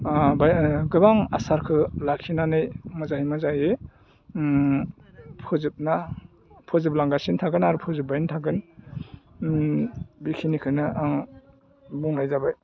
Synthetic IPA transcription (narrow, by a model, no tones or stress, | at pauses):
bajɡɯbaŋa̰saɾkʰɯlakʰinanɯjmazaɦimazajɯ | pʰɯzɯp̚na | pʰɔzɯp̚laŋɡasintʰaɡɯnaɾupʰɯzɯp̚bajntʰaɡɯn | bikʰinikʰɯnɯŋ | buŋlajzabaj